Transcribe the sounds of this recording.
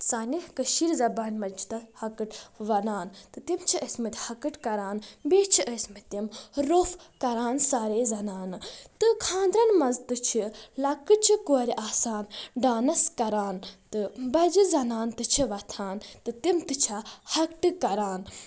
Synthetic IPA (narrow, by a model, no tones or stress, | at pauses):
saːnihkɐʃiɾzɐbaːnʲmɐd͡ʒt̪ɐhɐkɨʈʋɐnaːnt̪ɨt̪imt͡ʃʰiəsmit̪ʲhɐkɨʈkɐɾaːnbeːt͡ʃʰiʔəsʲmit̪imɾoːfkɐɾaːnsaːɾeːzɐnaːnɨt̪ɨkʰãːnd̪ɾɐnmɐzt̪ɨt͡ʃʰilɐkɨʈ̚t͡ʃʰikuɐɾʲiʔaːsaːnɖaːnɐskɐɾaːnt̪ɨbɐd͡ʒɨzɐnaːnt̪ɨt͡ʃʰiʋɐt̪ʰaːnt̪ɨt̪imt̪ɨt͡ʃʰɐhɐkʈɨkɐɾaːn